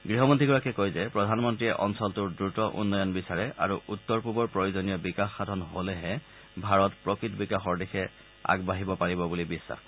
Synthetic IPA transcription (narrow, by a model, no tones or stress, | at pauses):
ɡɹiɦɔmɔntiɡɔɹakɛkojzɛpɹɔdʱanmɔntɹiɛʔɔnsɔltʊɹdɹutɔʔṵnːɔjɔnbisaɹɛʔa̰ɹuʔutːɔɹpubɔɹpɹojozɔnijɔbikaxːadʱɔnɦolɛɦɛ | bʱaɹɔtpɹɔkɹitbikaxɔɹdɛxʰɛ | a̰ɡbaɦibɔpaɹibɔbulibisːa̰x